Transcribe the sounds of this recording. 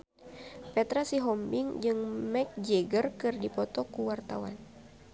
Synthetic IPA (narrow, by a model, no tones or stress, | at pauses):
pɛt̪ɾasiɦɔmbiŋd͡ʒɨŋmɛk̚d͡ʒɛɡərkɨrdipɔt̪ɔkuwart̪awa̰n